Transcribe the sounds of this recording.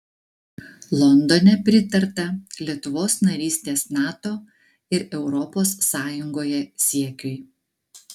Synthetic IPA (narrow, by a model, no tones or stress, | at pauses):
lˠɔnd̪onʲɛpʲɾʲɪt̪ɐɾt̪ɐlʲiɛt̪ʊʋoːsnɐɾʲiːsʲt̪ʲeːsnɑːt̪oː | ɪɾɛʊɾɔpoːssɑːjʊŋɡoːjɛsʲiɛkʲʊɪ